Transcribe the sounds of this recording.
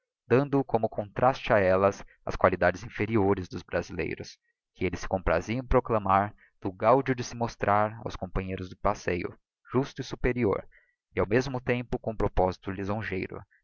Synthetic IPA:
d̪̥ɐ̃nd̪ʊkõmʊkʰõnt̪ɾʔast͡ʃɪaɛlɐs | ɐ̰skwalid̪ad͡ʒɪzĩfeɾioɾɪzd̪ʊzbɾazilḛjɾʊ̰s | kɪelɪsɪ̥kõpɾa̰ziɐ̃pɾoklɐmaɾ | d̪̥ʊɡawd͡ʒʊd͡ʒɪsɪmost̪ɾʔaɾa̰wskõpɐ̃ɲejɾʊzd̪ʊpasejʊ̰ | ʒ̥ust̪ʊɪsupeɾio̰ɾ | ɪawmezmʊt̪ẽmpʊkõũpɾopɔzit̪ʊlizõʒḛjɾʊ̰

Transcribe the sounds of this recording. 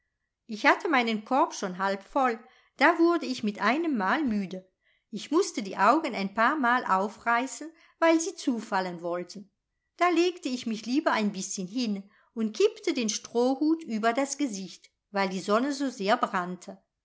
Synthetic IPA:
ʔɪçhatʰəmaɪnənkʰɔɐpʃoːnɦalpfɔl | d̥aːvʊɐdəɪçmɪtʔaɪnəmːaːlmyːdə | ʔɪçmʊstədḭːʔaʊɡən̩aɪnpaːɐmaːlʔa̰ʊfʁaɪsn̩ | vaɪlziːt͡suːfalənvɔltʰn̩ | d̥aːleːktəɪçmɪçliːbɐaɪnbɪsçənɦɪn | ʊnt̚kʰɪptədeːnʃtʁ̥oːhuːtʔyːbɐdasɡ̥əzɪçt | vaɪldiːzɔnəzoːzeːɐbʁantʰə

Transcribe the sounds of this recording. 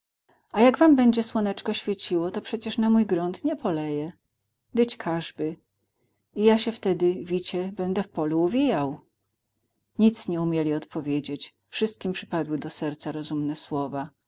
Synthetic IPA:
ajaɡvambɛɲd͡ʑɛswɔnɛt͡ʂkɔɕfʲjet͡ɕiwɔt̪ɔpʂɛt͡ɕɛʂnamujɡɾunt̪ɲɛpɔlɛjɛ | d̪ɘt͡ɕkʰaʐbɘ | ijaɕɛft̪ɛd̪ɘvʲit͡ɕɛbɛnd̪ɛfpɔluuvʲijaw | ɲit̪sɲɛumʲjelʲiɔt̪pɔvʲjed͡ʑet͡ɕ | fʂɘst̪̚kʲimpʂɘ̥pad̪wɘd̪ɔsɛɾt̪saɾɔzumnɛswɔva

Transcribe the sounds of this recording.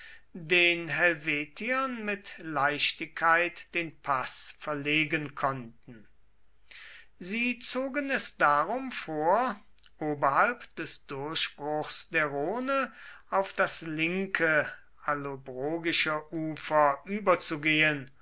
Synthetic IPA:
deːnɦɛlveːtʰiɐnmɪtlaɪʃtɪkʰːaɪtd̥eːnpʰasfɛɐleːɡənkʰɔntn̩ | ziːt͡soːɡənɛsd̥aʁʊmfoːɐ | ʔoːbɐɦalpd̥ɛsd̥ʊɐʃb̥ʁʊxsd̥eːɐʁoːnəaʊfd̥aslɪŋkʰə | alobʁoːɡɪʃəʔuːfɐʔyːbɐt͡suɡeːən

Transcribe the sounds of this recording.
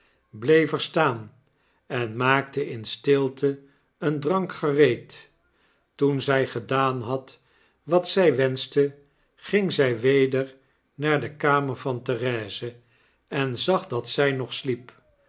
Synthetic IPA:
blejvəɹstaːn | ɛnmaːktəʔɪnstɪlˠtʰə | əndrɑŋkχərejt | tunzɛjχədaːnɦɑt | ʋɑtsɛjʋɛnstə | χɪŋzɛjʋejdəɹ | naːɹdəkaːməɹvɑntərɛːzə | ɛnzɑχdɑtsɛjnɔχslip

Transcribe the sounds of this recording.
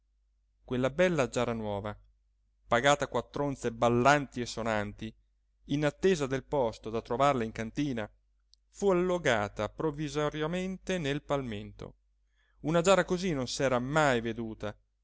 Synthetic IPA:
kwelːabɛlːad͡ʒaːɾanwɔːva | paɡaːt̪akwat̪ːɾont̪sebalːant̪iesːonant̪iː | nat̪ːeːzad̪elpɔst̪od̪at̪ɾovarlaiŋkant̪iːna | fualːoɡaːt̪apɾovːizoɾjament̪enelpalment̪o̰ | unad͡ʒaːɾakozinːonsɛːɾamajved̪uːt̪a

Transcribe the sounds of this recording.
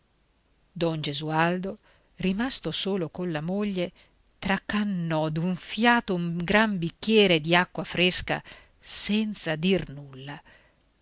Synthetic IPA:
d̪ɔnd͡ʒezuald̪o | rimast̪osoːlokonlamoʎːe | t̪ɾakːanːɔd̪uɱfjaːt̪omɡɾambikːjɛːɾed̪iakːwafɾeska̰ | sɛnt̪sad̪irnulːa

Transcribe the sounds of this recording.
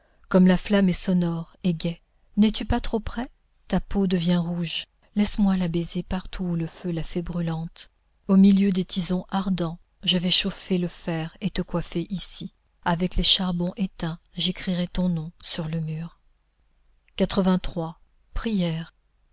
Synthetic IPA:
kɔmlaflamɛsɔnɔʁeɡʲɛ | nɛt̪ypat̪χopχɛ | t̪apod̪əvjɛ̃ʁuʒ | lɛsmwalabezepaʁt̪ʰuːləfølafɛbʁylɑ̃t̪ | omiljød̪et̪izɔ̃ʔaʁd̪ɑ̃ | ʒəvɛʃofeləfɛʁet̪əkwafeʔisi | avɛkleʃaʁbɔ̃ʔet̪ɛ̃ʒekχiʁɛt̪ɔ̃nɔ̃syʁləmyːʁ | kat̪χəvɛ̃t̪χwa | pχijɛʁ

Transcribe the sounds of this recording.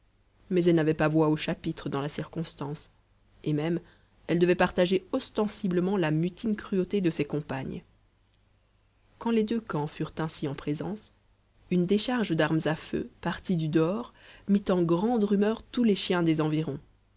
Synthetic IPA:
mɛzɛlnavɛpavwaoʃapit̪χəd̪ɑ̃lasiʁkɔ̃st̪ɑ̃s | emɛm | ɛld̪əvɛpaʁt̪aʒeɔst̪ɑ̃sibləmɑ̃lamyt̪ʰinkχyot̪ed̪əsɛkɔ̃paɲ | kɑ̃led̪økɑ̃fyʁt̪ɛ̃siɑ̃pχezɑ̰̃s | ynd̪eʃaʁʒd̪aʁmzafø̰paʁt̪id̪yd̪ɔːʁmit̪ɑ̃ɡʁɑ̃d̪ʁymœʁt̪uleʃjɛ̃d̪ezɑ̃viʁɔ̃

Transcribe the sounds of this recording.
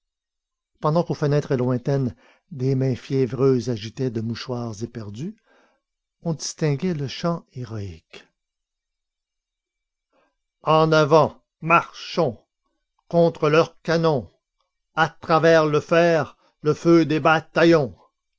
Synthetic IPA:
pɑ̃d̪ɑ̃kofənɛːt̪χelwɛ̃t̪ɛn | d̪emɛ̃fjɛvʁøːzaʒit̪ɛd̪əmuʃwaːʁzepɛʁd̪y | ɔ̃d̪ist̪ɛ̃ɡɛləʃɑ̃eʁɔik | ɑ̃navɑ̃ | maʁʃɔ̃ | kɔ̃t̪χəlœʁkanɔ̃ | at̪χavɛːʁləfɛːʁ | ləfød̪ebat̪ajɔ̃

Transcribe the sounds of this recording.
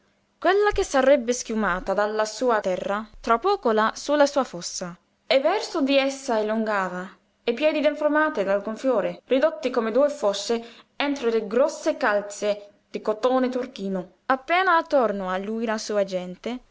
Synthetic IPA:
kwelːak̟esarɛbːɪskjumaːt̪ad̪alːasuːat̪ɛrːat̪ɾapːɔːkolasulasuːafɔsːa | evɛrsʊd̪iɛsːaeluŋɡaːva | epːjɛːd̪id̪eɱfɾomaːt̪ɪd̪alɡoɱfjɔːɾerid̪ot̪ːikomed̪uːjfosːe | ɛnt̪ɾoleɡɾɔsːekalt̪se | d̪̥ikot̪oːnet̪urk̟iːnʊ | apːɛːnaːt̪ːornoalːuːjlasuːad͡ʒɛnt̪e

